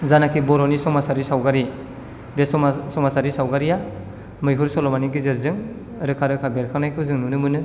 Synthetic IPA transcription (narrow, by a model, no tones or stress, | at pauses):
zanakʰibɔɾɔnisɔmasaɾisawɡaɾi | besɔsɔmasaɾisawɡaɾija | mɯjɦɯɾsɔlɔmaniɡɯzeɾzɯŋ | ɾɯkʰaɾɯkʰabeɾkʰanajkʰɯwzɯŋnunɯmɯnɯ